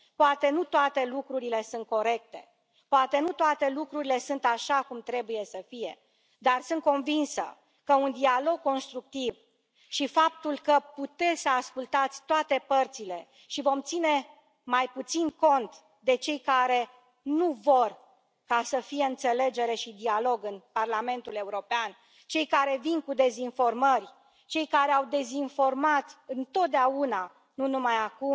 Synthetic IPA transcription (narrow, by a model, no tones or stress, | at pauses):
poat̪e̞nut̪oat̪e̞lukɾuɾile̞sunt̪̚ko̞ɾe̞k̚t̪e̞̰ | poat̪e̞nut̪oat̪e̞lukɾuɾile̞sunt̪aʃakumt̪ɾe̞buje̞səfije̞ | d̪arsɨnt̪̚ko̞nvinsə̰ | kəund̪ialo̞ɡ̚kːo̞nst̪ɾuk̚t̪iv | ʃifap̚t̪ulkəput̪e̞səaskult̪at̪sʲt̪oat̪e̞pərt̪sile̞ | ʃivo̞mt̪sine̞ | majput̪sinko̞nt̪ | d̪e̞t͡ʃe̞jkaɾe̞ | nuvo̞r | kasəfije̞ɨnt̪se̞le̞d͡ʒe̞ɾe̞ʃid̪ialo̞ɡɨnparlame̞nt̪ule̞uɾo̞pean | t͡ʃe̞jkaɾe̞vinkud̪e̞zinfo̞rmərʲ | t͡ʃe̞jkaɾe̞awd̪e̞zinfo̞rmat̪ɨnt̪o̞t̪̚d̪eauna | nunumajakum